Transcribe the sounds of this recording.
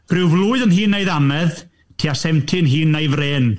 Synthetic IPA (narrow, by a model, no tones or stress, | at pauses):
pʰrɪwvlˠʊːɨðənɦiːnːejðamɛð | tʰiːasɛmtʰɨənɦiːnːejvreːn